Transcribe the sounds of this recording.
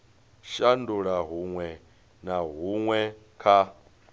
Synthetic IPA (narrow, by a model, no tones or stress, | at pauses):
ʃanduɺaɦuŋwɛ | naɦuŋwɛ | kʰa